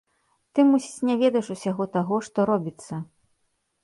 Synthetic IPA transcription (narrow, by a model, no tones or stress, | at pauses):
t̪ɨmusʲit͡sʲnʲɛvʲɛd̪ɐjʂusʲaɣɔt̪aɣɔʂt̪ɔɾɔbʲit̪sːɐ